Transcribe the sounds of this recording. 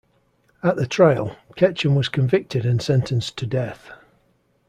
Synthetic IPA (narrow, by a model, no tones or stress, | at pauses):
əʔðətʰɹ̥aɪəlˠkʰɛt͡ʃə̃nwɒz̥kʰə̃ɱvɪk̚tɪdɪ̃nsɛ̃ntʰə̃nstʰədɛθ